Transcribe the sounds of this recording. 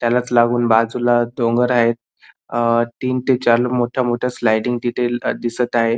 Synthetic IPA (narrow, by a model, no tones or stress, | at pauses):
t̪jalat͡slaɡuːnbad͡zulad̪oŋɡəɾaɦet̪̚ | t̪iːnt̪et͡ɕaɾləmoʈʰamoʈʰaslajʈiŋɡt̪it̪ʰed̪isət̪aɦe